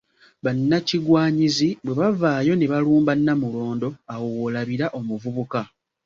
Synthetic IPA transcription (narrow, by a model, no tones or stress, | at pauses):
βanːaciɡwaːɲizibwe̞βavaːjo̞neβaluːmbanːamulo̞ːndo̞awowolaβiɾaʔo̞muvuβuka